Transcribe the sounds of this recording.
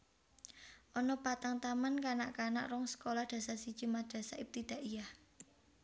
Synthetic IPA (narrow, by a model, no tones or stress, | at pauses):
ʔɔnɔpat̪aŋt̪amankanaʔkana̰ʔɾɔŋsə̥kolahd̪̥ä̤sasid̥ʒ̥i̤mad̪̥ä̤saʔip̚t̪id̪̥a̤ʔijah